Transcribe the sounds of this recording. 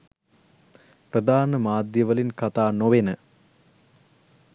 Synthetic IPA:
prəd̪aːnəmaːd̪jəʋəlinkat̪aːnoʋenə

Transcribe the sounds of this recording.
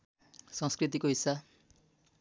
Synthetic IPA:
sʌ̃ŋskrit̪̬ikoɦisːa

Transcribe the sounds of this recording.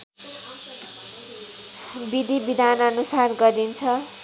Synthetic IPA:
bid̪ʱibid̪ʱanʌnusarɡʌɾint͡sʰʌ

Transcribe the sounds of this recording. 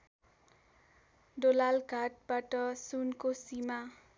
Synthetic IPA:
ɖolalɡʱaʈ̚baʈʌsunkosima

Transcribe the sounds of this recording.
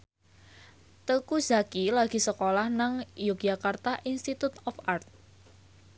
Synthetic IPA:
t̪əkuz̥a̤kilaɡ̥i̤səkolahnaŋjuk̚ʒ̥akart̪aʔinst̪it̪ut̪ɔfart̪̚

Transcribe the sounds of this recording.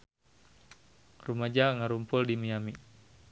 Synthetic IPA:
rumad͡ʒaŋaɾumpʊldimiami

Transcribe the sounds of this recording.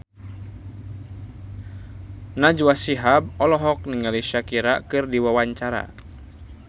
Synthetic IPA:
nad͡ʒuwasiɦab̚ɔlɔɦɔk̚niŋaliʃakiɾakɨrdiwawaɲt͡ʃaɾa̰

